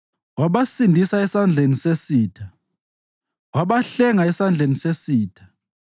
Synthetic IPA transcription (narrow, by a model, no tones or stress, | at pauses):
waɓasindʱisaɛsand͡ɮʱenisesiːtʰa | waɓaɬɛŋaɛsand͡ɮʱenisesiːtʰḁ